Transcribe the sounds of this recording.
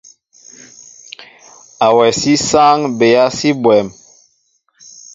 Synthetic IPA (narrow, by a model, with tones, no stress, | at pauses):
a˨wɛ˨si˦sa˦ŋbe˨ja˦si˦bwɛ˨m